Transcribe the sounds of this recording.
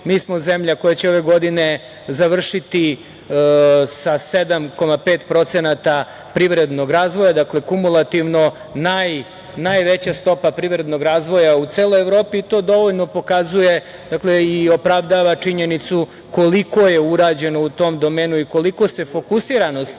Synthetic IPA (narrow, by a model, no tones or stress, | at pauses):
miːsmozemʎako̞jat͡ɕeo̞ʋe̞ɡo̞d̪ine | zaʋr̩ʃit̪i | sased̪amko̞mapeːt̪pɾo̞t̪senat̪a | pɾiʋɾe̞d̪no̞ɡɾaːzʋo̞jad̪akle̞kumulˠat̪iʋno̞ | naj | najʋet͡ɕast̪o̞papɾiʋɾe̞d̪no̞ɡɾaːzʋo̞jaut̪seːlˠojevɾo̞ːpiːt̪o̞ːd̪o̞ʋo̞ʎno̞po̞kazuje̞ | d̪akle̞io̞pɾaʋd̪aʋat͡ʂiɲenit̪su | ko̞liko̞je̞uɾaːd͡ʑe̞nout̪o̞md̪o̞meːnuiko̞liko̞se̞fo̞kusiɾanost̪